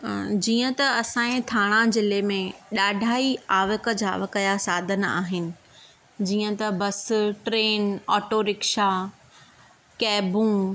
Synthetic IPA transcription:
d͡ʑiːə̃t̪ɐɐsãːẽt̪ʰaːɽ̃azɪlemẽɗaːɖʱaːiaːʋəkə̆d͡ʑa̰ːʋɐkɐjasaːd̪ʱəna̰ːɦɪnɪ̆ | d͡ʑiːə̃t̪ɐbɐsʈɾeːnɔːʈoɾɪkʃa | kɛːbũ

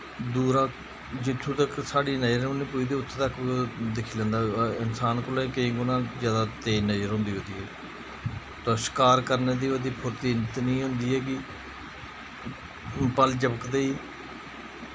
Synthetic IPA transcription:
d̪uːɾãː | d͡ʒɪt̪ʰːũːt̪əksaːɽiːnəjɾõːnĩːpuid̪eːʊt̪ʰːt̪əkːd̪ɪkʰiːlɛ̃ːnd̪aːɪnsaːnkʊlẽːkəĩːɡʊnãːd͡ʒjaːd̪aːt̪eːnəjɾɦõːnd̪iːɦoːd̪iːɦɛː | t̪oːsɪ̥kaːɾkəɾneːd̪iːʋəd̪iːpʰʊɾt̪iːnt̪nĩːɦʊ̃nd̪iːɦɛːɡɪː | pəld͡ʒəbəkd̪eːiː

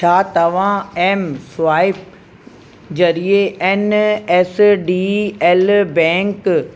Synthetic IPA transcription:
t͡ʃʰaːt̪ɐʋ̤ãeːmsʊʋaːɪp̚ | d͡ʑɐɾieʔenesɖieːlbɛ̃ːŋk

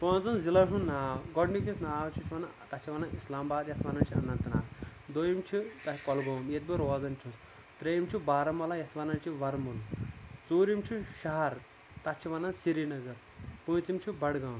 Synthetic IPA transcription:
pə̃ːnd͡zɐnzilɐʂũnnːaːɡɔɖnikʲisnaʋt͡ʃʰit͡ʃʰiʋɐnat̪ɐt͡ʃʰiʋɐnaʔislaːmbaːd̪jɐt̪ʰʋɐnant͡ʃʰiɐ̰nɐnt̪na̰ː | d̪ojimt͡ʃʰit̪ɐkɔlɡoːmjet̪̚biɾɔːd͡zɐnt͡ʃʰũs | t̪ɾejimt͡ʃʰibaːɾɐmɐlajɐt̪ʰʋɐnɐnt͡ʃiʋɐɾmult͡soːɾimt͡ʃʰiʃɐɦɐɾ | t̪at͡ʃʰiʋɐnansiɾinɐɡɐɾ | pə̃ːt͡simt͡ʃʰibɐɽɡawm

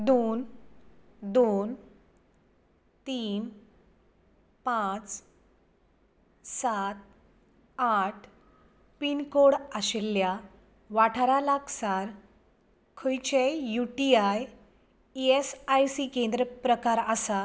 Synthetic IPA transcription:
d̪on | d̪on | t̪iːn | pat͡s | sat̪̚ | aʈʰ | pinkoɽaɕelja | ʋaʈʰaɾalaɡsaɾ | kʰojt͡ɕejuʈiaj | iesajsikẽnd̪ɾəpɾəkaɾəsa

